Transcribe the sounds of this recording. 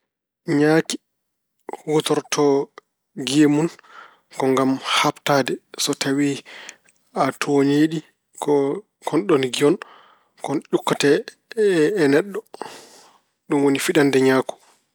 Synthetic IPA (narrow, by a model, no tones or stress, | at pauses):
ɲaːki̥ | wɔtɔɾtʰɔ | ɡemun | kɔŋɡamhaptadɛsɔtʰawi | atʰoɲeɗi | kɔ | kʰɔnɗɔnɡiɔn | kɔnʄukːatɛː | nɛɗːɔ | ɗumwonifiɗandɛɲaːku̥